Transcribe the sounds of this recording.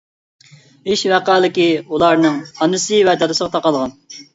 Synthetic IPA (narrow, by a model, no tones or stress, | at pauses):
iʃvæqɑːlˠɪkʲiulˠɑɾnɨŋɑnɨsɨvɛd͡ʒ̪ɑd̪ɨsəʁɑt̪ʰɑqɑlˠʁɑn